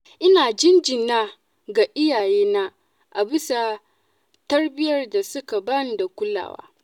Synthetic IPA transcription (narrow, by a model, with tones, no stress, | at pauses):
ʔɪ˦naː˨d͡ʒɪ˦nd͡ʒɪ˨nnːaː˦ | ɡa˨ʔɪ˦jaː˨jeː˦na˦ | ʔa˨bɪ˦sa˨ | tɐ˦rbɪ˦jɐ˦rda˨sʊ˦ka˨bɐ˦n˦da˨kʷʊ˦la̰ː˨wa̰ː˦